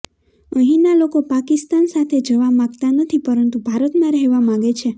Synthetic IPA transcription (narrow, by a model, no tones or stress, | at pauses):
əɦĩnalokopakist̪ansat̪ʰed͡ʒəʋamãɡt̪anət̪ʰipəɾənt̪ubʱaɾət̪mãɾəɦeʋamãɡet͡ʃʰe